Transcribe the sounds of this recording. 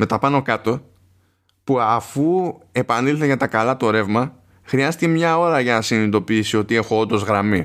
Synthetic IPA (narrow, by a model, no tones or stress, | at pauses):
me̞t̪ɐpɐno̞kɐt̪o̞ | puɐfue̞pɐnilθeʝɐt̪ɐkɐlɐt̪o̞ɾe̞vmɐ | xɾiɐst̪icemɲɐo̞ɾɐʝɐnɐsinit̪o̞piisio̞t̪ie̞xo̞ond̪o̞zɣɾɐmi